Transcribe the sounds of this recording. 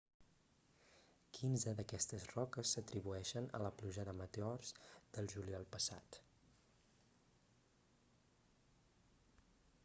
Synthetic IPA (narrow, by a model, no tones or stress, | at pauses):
kʰinzəðəkɛst̪əzrɔkəsːət̪ɾiβuɛʃənə̰ləpluʒəðəmət̪eɔrzd̪̥əlˠʒuliɔlˠpəsa̰t̪